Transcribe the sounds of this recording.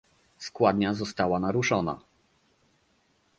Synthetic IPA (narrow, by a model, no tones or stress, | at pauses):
skwad̪ɲazɔst̪awanaɾuʂɔna̰